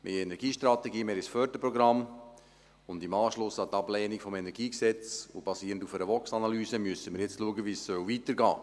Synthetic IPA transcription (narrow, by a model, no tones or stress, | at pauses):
mʔḛːɛnɛɾɡiːʃtɾɑt̪ɛɡiːmeːɾisfœɾdəpɾɔɡɾɑm | ʊndimɑːʃlʊsɑtɑblɛːnikfɔmɛnɛɾɡiːksɛt͡so̰b̥ɑsiːɾəntufɛɾəʋɔksɑnɑlyːsəmyəsəməɾjɛt͡stluəɡəʋiːsːœwvitəɾɡɑ̰ː